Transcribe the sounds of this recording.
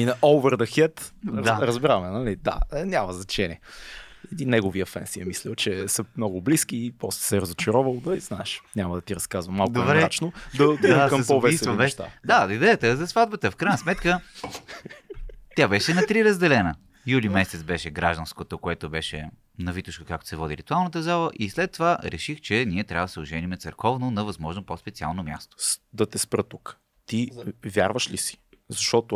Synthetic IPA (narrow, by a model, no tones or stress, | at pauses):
inɐʔɔlˠvɛɾd̪ɐxɛt̪d̪aɾəzbɛɾamɛnɐlid̪a̰nʲamɐznɐt͡ʃɛnʲiəɛd̪inːɛɡoviəfɛ̰nsiəmislɛlˠt͡ʃɛsəmnɔɡʊbliskipɔslɛ̥sɛɾɐzʊt͡ʃɛɾɔvɐlˠd̪ɐiznaɛʃnʲamɐd̪ɐt̪iɾɐskazvɐmːalˠkd̪obɾɛat͡ʃnod̪ɐt̪iakəmspovɛisvɐbɛʃt̪a̰d̪ad̪id̪ɛjət̪əzɐsvad̪̚bət̪əfkɾajnəsmɛt̪kə | t̪ʲjabɛʃɛnɐt̪ɾiɾəzd̪ɛlɛnə | julimɛsɛt̪sbɛʃɛɡɾaʒd̪ɐnskot̪okoɛt̪obɛʃɛ | nɐvit̪ʊʃkokakt̪o̥sɛvɔd̪iɾit̪ʊalˠnət̪əzalˠəʔislɛt̪ːovaɾʔɛʃixt͡ʃɛniɛt̪ɾʲavəd̪sɛʊʒɛnimɛt̪sɛɾkɔvnonɐvɐzmɔʒnopospɛt̪sia̰lˠnomʲja̰st̪o̥d̪ɐt̪ɛspɾət̪uk | t̪ivʲja̰ɾvəʃlisi̥zɐʃt̪ɔt̪o